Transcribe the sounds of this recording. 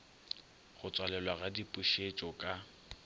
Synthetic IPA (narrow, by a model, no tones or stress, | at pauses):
ɣʊt͡sʼwalɛlwaɣadipʼuʃet͡ʃʼɔkʼa